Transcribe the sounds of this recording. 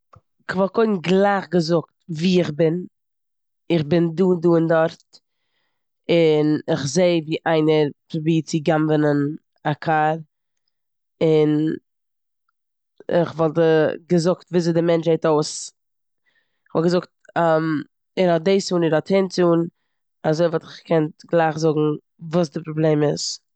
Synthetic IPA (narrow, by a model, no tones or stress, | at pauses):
ɪχvɔlˠkoɪn̩ɡlˠaɪχɡəzʊktviːɪχbɪn | ɪχbɪnduːnduːɪndɔɾt | ɪnɪχzeɪviːʔaɪnəɾfbiːt͡sɪɡamvənən | akʰaɾ | ɪn | ɪ̰χvɔlˠtəɡəzʊktviːzedɪmɛnt͡ʃheɪtoʊs | ɪχvɔlˠɡəzʊkt̚am | ɛɾhɔt̚deɪsuːnɪɾhɔthɪnt͡suːn | azoɪvɔtɪχkʰɛntɡlˠaɪχzʊɡŋ̩ | vuːsdɪpɾɔbleːmɪs